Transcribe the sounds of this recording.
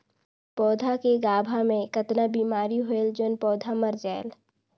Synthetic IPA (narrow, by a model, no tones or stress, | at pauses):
pɔːd̪ʱakeɡaːbʱamẽkɐt̪nabiːmaːɾiɦoeld͡ʒoːnpɔːd̪ʱaməɾd͡ʒaːl